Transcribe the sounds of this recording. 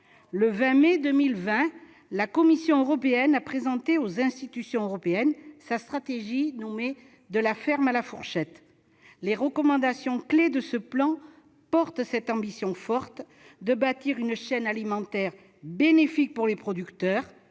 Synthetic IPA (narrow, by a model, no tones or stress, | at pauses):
ləvɛ̃med̪əmilvɛ̃ | lakɔmisjɔ̃øʁɔpeɛnapχezɑ̃t̪eozɛ̃st̪it̪ysjɔ̃øʁɔpeɛnsast̪χat̪eʒinɔme | d̪əlafɛʁmalafuʁʃɛt̪ | leʁəkɔmɑ̃d̪asjɔ̃kled̪əsəplɑ̃ | pɔʁt̪sɛt̪ɑ̃bisjɔ̃fɔʁt̪ | d̪əbat̪iʁynʃɛnalimɑ̃t̪ɛʁ | benefik̚puʁlepχɔd̪ykt̪œːʁ